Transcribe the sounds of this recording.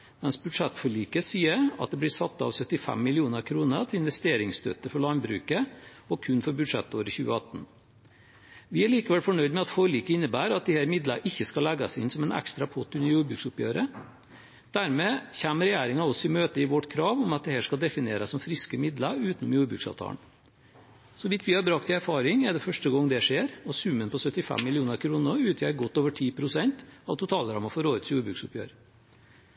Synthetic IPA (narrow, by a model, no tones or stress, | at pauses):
mɛnsbʉʂɛt̪fɔɭiːkəsiːəɾɑ̰t̪̚d̪ɛblɪsɑt̪ːɑ̰ʋsœt̪ːɪfɛ̰mːɪlɪuːnəɾkʰɾuːnət̪ʰɪɪnʋɛst̪eːɾɪŋst̪ø̰ːt̪əfɔɭɑnbɾʉ̰ːkə | ɔkʰʉnfɔɾbʉd̪ʂɛt̪ːoːɾəçʉ̰ːə̰ɑt̪ːn̩ | ʋɪæɭiːkəʋɛlfɔɳœʏd̪mɛɑt̪fɔɭiːkəɪnːəbæːɾɑt̪̚d̪ɪhæːɾmɪd̪ləʔɪçːəskɑlɛɡɑsɪnːsɔmɛnɛ̰kst̪ɾɑpʰɔt̪ːʉnəɾjuːɾbɾʉːksʊpjø̰ːɾə | d̪̥æɾmeːçæːməɾɛjæːɾɪŋɑɔsɪmøːt̪əɪʋɔʈkʰɾɑːʋɔmɑt̪̚d̪ɛhæːʂkɑld̪ɛfɪneːɾəsɔmfɾɪskəmɪd̪ləʉːt̪nʊmjuːɾbɾʉːksɑ̰ʋt̪ʰɑ̰ːn | sɔʋɪt̪ʰʋɪhɑɾbɾɑk̚t̪ʰɪæɾfɑːɾɪŋæɖɛfœʂʈəɡɔŋːd̪ɛʂeːɾɔsʉmənpʰɔsœt̪ːɪfæ̰mːɪlɪuːnəɾkʰɾuːnəɾʉːt̪ʰjæːɾɡɔt̪ːoːʋəʈʰiːpʰɾʊsɛnt̪ɑʋt̪ʰʊt̪ʰɑːlɾɑmɑfɔɾoːət̪sjuːɾbɾʉːksʊpjø̰ːɾ